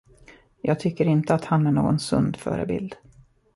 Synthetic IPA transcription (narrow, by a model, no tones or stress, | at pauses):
jɑːɡ̚t̪ʰʏkːəɾɪnt̪əat̪hanæɳoːɡɔnsɵ̰nd̪fœ̰ːɾə̰bɪ̰ld̪